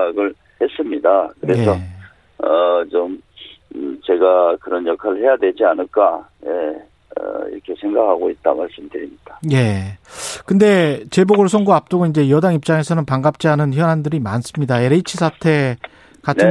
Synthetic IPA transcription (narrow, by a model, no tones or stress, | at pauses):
aɡɯɭ | hes͈ɯmɲidakɯɾe̞sʰʌ | ʌt͡ɕom | t͡ɕe̞ɡakɯɾʌnjʌkʰaɾɯɭhe̞jadwe̞d͡ʑianɯɭk͈aje̞ | ʌ̰ḭɾʌkʰe̞sʰe̞ŋɡakʰaɡoit̚t͈amaɭs͈ɯmdɯɾimɲid̥aje̞ | kɯnde̞t͡ɕe̞boɡɯɭsʰoŋɡuap̚t͈oɡoind͡ʑe̞jʌdaŋip̚t͡ɕ͈aŋe̞sʰʌnɯnpaŋɡap̚t͡ɕ͈iɦanɯnçjʌnɦandɯɾimans͈ɯmɲidaeɾeit͡ɕʰisʰatʰe̞ | kat͡ɕnʰ